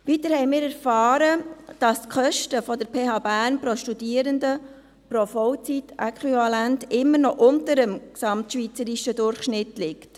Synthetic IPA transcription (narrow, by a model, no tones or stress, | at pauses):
ʋitəɾhɛɪmɪːɾæɾfɑːɾəd̥ɑskχœʃtəfɔdəɾpʰeːhɑːbæːɾnpɾoʃtudiːəɾəndə | pɾofɔwt͡sitʔɛkχwivɑlæntɪmːənɔʔʊntəɾəmksɑmtʃʋit͡səɾiʃədʊɾχʃnɪtlɪkt